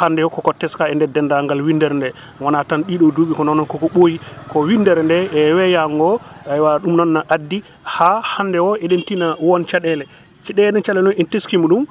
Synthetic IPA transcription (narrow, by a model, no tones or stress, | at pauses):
handɛwɔkɔkɔtɛskaɛndɛdɛndaŋɡalwindɛɾndɛ | wanatanɗiɗɔduɓikɔnɔnɔnkɔkɔɓojikɔwindɛɾndɛɛwɛjaŋɡɔajwaɗumnɔnːaʔadːi | hahandɛwɔʔɛɗentinawɔnt͡ʃaɗɛlɛ | t͡ʃɛɗɛɛɗɛnt͡ʃalɛnɔnɛnteskimuɗum